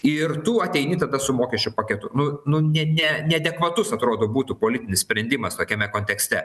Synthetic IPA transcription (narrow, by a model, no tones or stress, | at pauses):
ɪrt̪uːɐt̪ʲɛɪnʲiːt̪ɐd̪ɐsʊmoːkʲɛʃʲt͡ʃʲʊpɐkʲɛt̪ʊnʊnʊnʲɛnʲɛnʲɛɐd̪ʲɛkʋɐt̪ʊsɐt̪ɾoːd̪oːbuːt̪upoːlʲɪt̪ʲɪnʲɪssʲpʲɾʲɛnʲd̪ʲɪmɐst̪oːkʲɛmʲɛkoːnʲt̪ʲɛksʲt̪ʲɛ